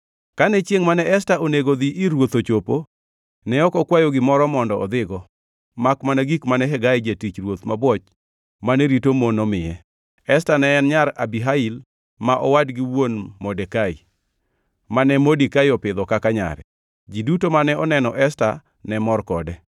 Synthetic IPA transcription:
kanɛt͡ʃjeŋmanɛʔɛstaoneɡod̪iʔɪɾwot̪ot͡ʃopo | nɛɔkɔkwajoɡɪmɔɾɔmɔndɔɔd̪ɪɡɔ | makmanaɡikmanɛɦɛɡaɪd͡ʒetit͡ʃɾwot̪mabwɔt͡ʃ | manɛɾitomonɔmɪɛ | ɛstanɛːnɲaɾabiɦail | maʔɔwadɡiwonmɔdɛkaḭ | manɛmodikajɔpɪd̪ɔkakaɲa̰ɾɛ̰ | d͡ʒidutomanɛɔnɛnɔʔɛsta̰ | nɛmɔrkɔdɛ

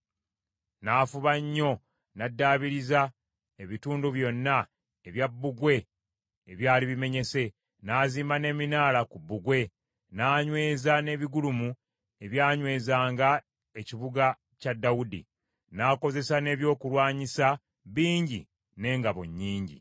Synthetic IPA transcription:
naːfuβaɲːo̞ | nadːaːβiɾiza | eβituːnduβjo̞nːa | eβjabːuɡwe̞ː | βjaːliβime̞ɲe̞se̞ | naːziːmane̞ːminaːlakubːuɡwe̞ | naːɲwe̞ːzane̞βiɡulumu | e̞βjaːɲwe̞ːzaːŋɡa | e̞ciβuɡa | cadːawudḭ | naːko̞ze̞sane̞ːβjo̞ːkulwaːɲisa | βiːɲɟḭ | ne̞ːŋɡaβo̰ɲːiːɲɟḭ

